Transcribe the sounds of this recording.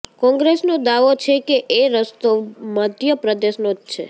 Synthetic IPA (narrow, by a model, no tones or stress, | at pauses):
kɔ̃ŋɡɾesnod̪aʋot͡ʃʰekeʔeɾəst̪omad̪jəpɾəd̪eʃnod͡ʒt͡ʃʰḛ